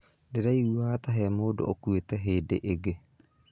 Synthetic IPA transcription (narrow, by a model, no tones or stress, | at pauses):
deɾaiwataɦɛmoːdo̰ʔokwetɛɦeːdḛʔeɡe